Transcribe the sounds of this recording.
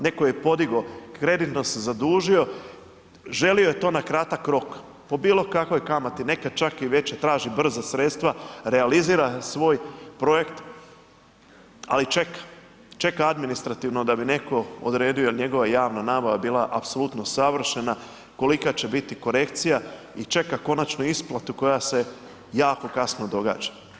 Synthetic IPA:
ne̞ko̞jepo̞d̪iɡo̞kɾe̞d̪it̪no̞sezad̪uːʒio̞ | ʒe̞lio̞je̞t̪o̞ːnakɾat̪akɾo̞k | po̞biːlˠo̞kako̞jkamat̪ine̞kad̪̚t͡ʃakiʋe̞t͡ɕet̪ɾaːʒibr̩zasɾe̞t̪st̪ʋaɾealiziːɾasʋo̞ːjpɾo̞je̞kt̪ | a̰lit͡ʃe̞kḁ | t͡ʃe̞kaad̪minist̪ɾat̪iʋno̞d̪abine̞ko̞o̰d̪ɾe̞ːd̪iojelɲe̞ɡo̞ʋaejaːʋnanaːbaʋabiːlˠaʔapso̞lut̪no̞saʋr̩ʃe̞na | ko̞likat͡ɕe̞bit̪iko̞ɾe̞kt̪sija | it͡ʃe̞kako̞nat͡ʃnuisplˠat̪uko̞jase̞ | jaːko̞kasno̞d̪o̞ɡa̰ːd͡ʒḁ

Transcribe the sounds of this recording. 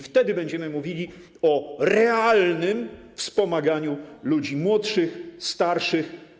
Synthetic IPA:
ft̪ɛd̪ɘbɛɲd͡ʑɛmɘmuvʲilʲi | ɔɾɛalnɘm | fspɔmaɡaɲulud͡ʑimwɔt̪ʂɘxst̪aɾʂɘx

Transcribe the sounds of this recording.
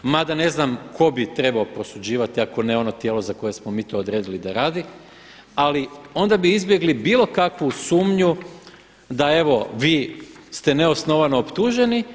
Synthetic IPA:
mad̪ane̞znamkʰo̞bit̪ɾe̞baopɾo̞sud͡ʑiːʋat̪iako̞neo̞no̞t̪jeːlˠo̞zako̞je̞smo̞miːt̪o̞ːd̪ɾe̞ːd̪ilid̪aɾaːd̪i | alio̞nd̪abiizbje̞ɡlibiːlˠo̞kakʋusuːmɲu | d̪ae̞ʋo̞ʋiː | st̪e̞neo̞sno̞ʋano̞opt̪uːʒe̞ni

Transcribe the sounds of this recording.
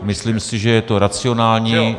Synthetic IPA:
mɪslimsɪʒɛjɛt̪o̞ɾat͡sɪo̞naːlɲiː

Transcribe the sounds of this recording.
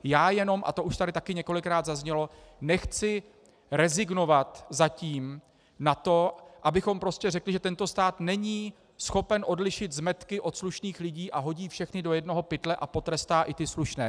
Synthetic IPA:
jaːjɛno̞mʔa̰t̪o̞ʔuʃt̪adɾɪt̪akɪɲɛko̞lɪkɾaːd̪zazɲɛlo̞ | nɛxt͡sɪ | ɾɛzɪɡno̞vat̪zaciːm | nat̪o̞ʔabɪxo̞mpɾo̞scɛrɛklɪʒɛt̪ɛnt̪o̞st̪aːt̪nɛɲiː | sxo̞pɛnʔo̞dlɪʃɪt̪zmɛt̪kɪʔo̞t̪sluʃniːxlɪɟiːʔaɦo̞ɟiːfʃɛxnɪdo̞jɛdno̞ɦo̞pɪt̪lɛʔapo̞t̪ɾɛst̪aːʔɪt̪ɪsluʃnɛː

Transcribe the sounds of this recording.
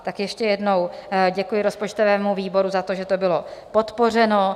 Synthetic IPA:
t̪akjɛʃcɛjɛdno̞wɟɛkujɪɾo̞spo̞t͡ʃt̪o̞vɛːmuviːbo̞ɾuzat̪o̞ʒɛt̪o̞bɪlo̞po̞t̪po̞r̝ɛno̞

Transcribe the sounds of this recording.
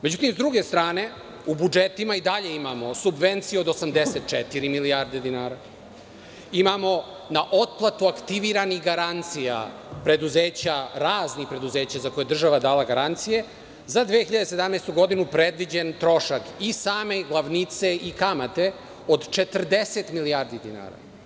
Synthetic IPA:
med͡ʑut̪imzd̪ɾuɡe̞st̪ɾaːne̞ | ubud͡ʒet̪imaid̪aʎe̞imamo̞subʋe̞nt̪sijeo̞d̪osamd̪eset̪̚t͡ʃɛt̪iɾimiliaɾd̪ed̪inaːɾa | imamo̞ | naʔo̞t̪̚plˠat̪uakt̪iʋiɾanixɡaɾant̪sija̰ | pɾe̞d̪uzeːt͡ɕaɾaːznixpɾe̞d̪uze̞ːt͡ɕazako̞jed̪r̩ʒaʋad̪aːlaɡaɾant̪sije̞ | zad̪ʋexiʎad̪ese̞d̪amnest̪uɡo̞d̪inupɾed̪ʋid͡ʑent̪ɾo̞ʃakisaːme̞ɡlˠaʋnit̪se̞ikamat̪e̞ | od̪t͡ʃe̞t̪r̩d̪eset̪milijaːɾd̪id̪ina̰ːɾa̰

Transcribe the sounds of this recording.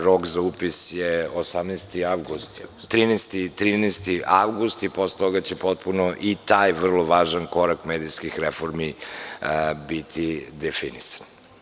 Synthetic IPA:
ɾokzaupisjeosamnɛjst̪iaʋɡust̪ | t̪ɾiːnɛst̪it̪ɾiːnɛst̪iʔaʋɡust̪iposlet̪oɡat͡ɕepo̞t̪̚punoʔit̪aːjʋr̩lˠoʋaːʒanko̞ɾakmeːd̪ijskixɾefoɾmi | bit̪ʰid̪efinisḁn

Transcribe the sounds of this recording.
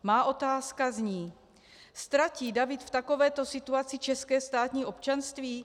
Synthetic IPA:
maːʔo̞t̪aːskazɲiː | st̪ɾaciːdavɪt̪ft̪ako̞vɛːt̪o̞sɪt̪uat͡sɪt͡ʃɛskɛːst̪aːt̪ɲiːʔo̞pt͡ʃanst̪viː

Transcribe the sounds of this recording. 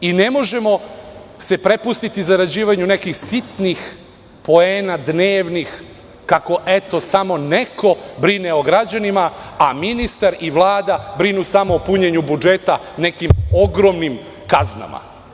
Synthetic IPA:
ine̞mo̞ʒe̞mo̞se̞pɾepust̪it̪izaɾad͡ʑiːʋaɲunekixsit̪nix | po̞eːnad̪neːʋnix | kako̞ʔet̪o̞samo̞neko̞bɾineoɡɾad͡ʑanimaaminist̪aɾiʋlˠaːd̪abɾinusamo̞ːpuɲeɲubud͡ʒe̞t̪a | ne̞kimoɡɾomnim | kazna̰ma̰

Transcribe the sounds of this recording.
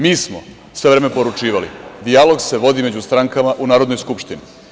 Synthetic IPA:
miːsmo̞ | sʋe̞ʋɾe̞ːmepo̞ɾut͡ʃiːʋalḭd̪ialo̞ɡse̞ʋo̞d̪ime̞d͡ʑust̪ɾaŋkamaʔunaːɾod̪nojskupʃt̪ini

